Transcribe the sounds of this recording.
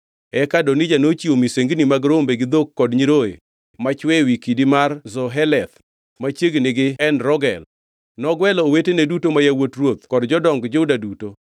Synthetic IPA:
ɛkadonid͡ʒanot͡ʃiomiseŋɡnimaɡɾombeɡɪd̪okːɔdɲiɾoḛ | mat͡ʃwɛwikidimarzɔɦɛlɛt̪ | mat͡ʃjeɡnɪɡɪɛnɾɔɡɛ̰l | nɔɡwɛlːwetenedutomajawotrwot̪kɔdd͡ʒɔdɔŋɡd͡ʒodaduto

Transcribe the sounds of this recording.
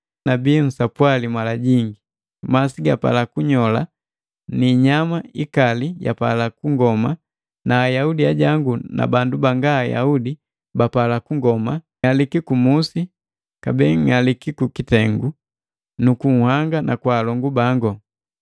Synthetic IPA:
nabiːn̩sapwalimwalaɟiŋɡi | masiɡapa̰lakuɲɔla̰ | niɲamaikalija̰pa̰lakuŋɡɔma | naːjaudiaɟaŋɡuna̰bandubaŋɡaːja̰udi | bapalakuŋɡɔma | alikikumusi | kabɛːŋalikikukitɛŋɡu | nukuŋ̩haŋɡanʔakwaːlɔŋɡubaŋɡɔ

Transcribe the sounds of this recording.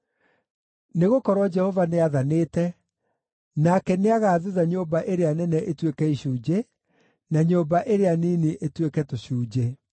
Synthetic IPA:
neɣokɔɾwɔd͡ʒɛhɔvaneaðaneːtɛ | nakɛneaɣaːðuðaɲoːmbaʔeɾeanɛnɛʔetwekɛiɕuːd͡ʑe | naɲoːmbaʔeɾeanineʔetwekɛtoɕuːd͡ʑe

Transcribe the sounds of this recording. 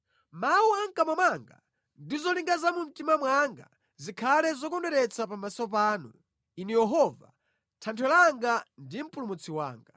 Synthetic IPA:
mauaŋkamamaŋɡa̰ | ndizɔliŋɡazamum̩timamwaŋɡa̰ | zikʰalɛzɔkɔndɛɾɛt͡sapamasɔpaːnu | inɛjɛɦɔva̰ | tʰantʰɛlaŋɡandim̩pulumut͡sʰiwa̰ːŋɡa

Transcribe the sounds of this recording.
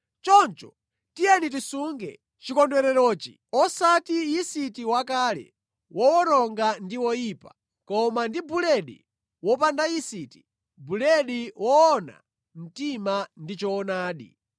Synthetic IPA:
t͡ʃɔnt͡ʃɔ̥̰ | tijɛnit̬isuŋɡɛ̰ | t͡ʃikɔndwɛɾɛɾɔːt͡ʃḭ | ɔsatijisitiwakaːlɛ̰ | wɔwɔɾɔŋɡandiwɔjiːpḁ̰ | kɔmandibulɛɗḭ | wɔpandajisiːti̥ | bulɛɗiwɔːna̰ | m̩timandit͡ʃɔːnaːɗḭ

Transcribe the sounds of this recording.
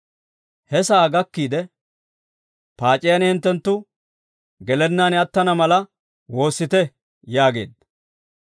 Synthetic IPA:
hɛsaːɡɐkːiːd̪ɛ | paːt͡ʃʼɪjɐnhɪnt̪ːɛnt̪ːʊ | ɡɛlɛnːaːnɪɐt̪ːɐnɐmɐlɐ | wo̞ːsːɪt̪ɛ | jaːɡe̞̰ːd̪ːɐ

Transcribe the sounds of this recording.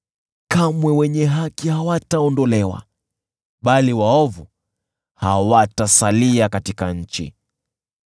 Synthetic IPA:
kamwɛwɛɲɛɦakihawataɔndɔlɛwa̰ | ɓaliwaɔvu | hawatasaliakatikaɲ̩t͡ʃḭ

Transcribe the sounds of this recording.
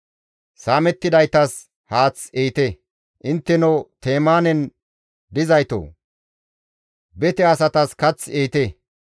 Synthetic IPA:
saːmɛt̪ːɪd̪ɐjt̪ɐs | haːt͡sejt̪e | ʔɪnt̪ːɛnot̪eːmaːnɛn | d̪ɪzɐjt̪o̰ː | bɛt̪ɛɐsɐt̪ɐskɐt͡sːeːt̪e

